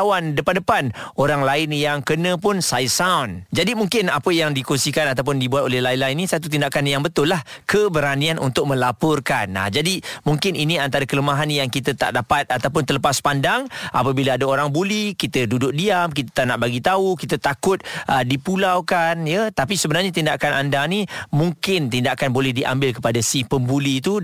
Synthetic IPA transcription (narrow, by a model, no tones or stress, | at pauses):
wandəpandəpanoɾaŋlaɪnjaŋkənə̃pʊnsajsawnd͡ʒadimuŋkɪnapəjaŋdikunsikanat̪awp̬ʊndibuat̪olɛhlaɪnlaɪnːĩsat̪̬ut̪̬indakanjaŋbət̪ʊlːahkʰəbəɾanianʔṵnt̪ʊk̚mə̃lapɔrkana̰d͡ʒadimuŋkɪninĩant̪aɾakələmaɦanjaŋkit̪ət̪a̰ʔdapat̪̚at̪awp̬ʊnt̪ələpaspandaŋʔapəbilaːdaoɾaŋbulikit̪ədudʊk̚diamk̬it̪ə̥t̪anaʔbaɡit̪aukit̪ət̪akʊt̪̚ʔədipulawkanjət̪apisəbənarɲat̪indakanandanimuŋkɪnt̪indakanbolɛhdiʔa̰mbɪlkəpadasihpəmbuliːt̪̬u